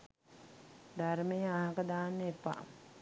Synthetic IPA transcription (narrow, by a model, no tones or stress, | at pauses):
d̪aɾmejəaɦakəd̪aːnːepːa̰